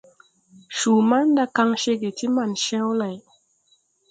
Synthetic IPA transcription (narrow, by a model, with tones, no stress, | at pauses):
ʃu˨ma˦nda˧ka˧ŋʃe˧ɡe˨ti˦ma˨nʃɛ̃˦wla˨j